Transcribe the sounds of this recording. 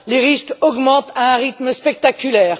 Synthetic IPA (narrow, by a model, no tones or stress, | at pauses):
leʁiskɔɡmɑ̃t̪aɛ̃ʁit̪məspɛk̚t̪akʲylɛːʁ